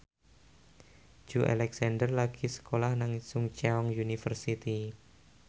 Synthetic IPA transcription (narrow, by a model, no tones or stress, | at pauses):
d͡ʒ̥uʔa̰lɛksandərlaɡ̥isə̥kolahnaŋsʊŋt͡ʃɛɔŋjunifərsit̪i